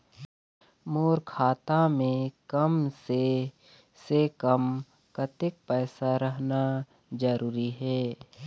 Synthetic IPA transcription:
moːɾkʰaːt̪amẽkəmse | sekəm | kət̪ɪk̚pɛːsaɾəɦna | d͡ʒəɾuːɾiɦɛː

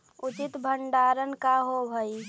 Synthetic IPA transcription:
ʊt͡ʃɪt̪bʱəɳɖaːɾənkaɦobʱəi

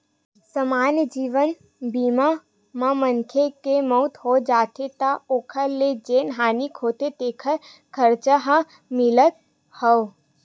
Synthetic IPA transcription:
səmaːnjəd͡ʒiːʋən | biːma | mãmənkʰekemɔʊt̪ɦod͡ʒaːt̪et̪aoːkʰəled͡ʒeːnɦaːnikʰoːt̪et̪eːkʰəɾ | kʰəɾt͡ʃəɦã | mɪlət̪̚ | hɔː

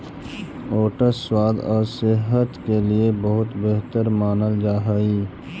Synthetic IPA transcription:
oːʈəsswaːd̪ɔːɾsɪɦət̪keliebɐɦʊt̪beɦt̪əɾmaːnəld͡ʒaːɦaːiː

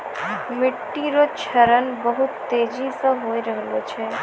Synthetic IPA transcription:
mɪʈːiɾot͡ʃʰəɾənbəɦut̪ːed͡ʒisə̃ɦoiɾəɦlot͡ʃʰe

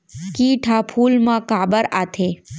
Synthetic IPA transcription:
kiːʈʰapʰuːlmãkaːbəɾaːt̪ʰeː

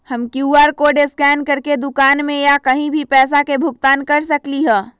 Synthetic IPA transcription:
hɐmkjuːaːɾkoːɖeskɛːnkɐɾked̪ʊkaːnmẽjakɐɦĩbʱipɛːs̬akebʱʊkt̪aːnkɐɾsɐkliɦɛ̃ː

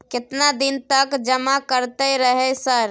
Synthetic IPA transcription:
ket̪nad̪int̪əkd͡ʒəmakəɾt̪ɛɾəɦɛsəɾ

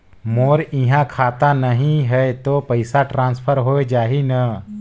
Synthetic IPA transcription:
moɾĩɦãkʰaːt̪anəɦĩɦɛjt̪opəjsaʈɾãːnspʰəɾɦoed͡ʒaːɦinə

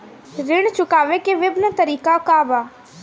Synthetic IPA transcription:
ɾɪɽ̃t͡ʃʊkaːʋekeʋɪbnət̪ɐɾiːkakaːbaː

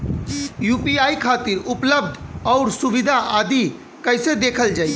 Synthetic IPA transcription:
jupiaːikʰat̪iɾupləb̚d̪ʱɔʊɾsubid̪ʱaʔad̪i | kəɪsed̪ekʰəld͡ʒaːi

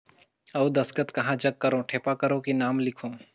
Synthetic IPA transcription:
ɐwd̪ɐskət̪kɐɦãd͡ʒɐɡ̚kɐɾõʈʰeːpakɐɾõkenaːmlɪkʰõː

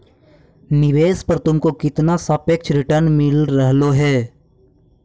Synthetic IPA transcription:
nɪʋeːspɐɾt̪ʊmkokɪt̪nasɐpek̚t͡ʃʰɾɪʈəɾnmɪlɾəɦloɦɛː

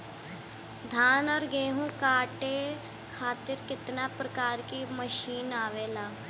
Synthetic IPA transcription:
d̪ʱaːnɔɾɡeːɦũːkaːʈeː | kʰaːt̪ɪɾkɪt̪naːpɾəkaːɾkiːməʃiːnaːʋeːlaː

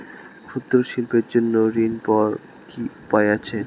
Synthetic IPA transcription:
kʰud̪ːoɾʃilpeɾd͡ʑonːoɾinpɔɾ | kiupaeat͡ɕʰe

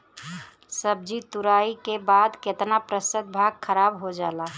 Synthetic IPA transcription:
səb̚d͡ʒit̪uɾaikebad̪ket̪napɾəsəd̪̚bʱaɡkʰəɾabɦod͡ʒala

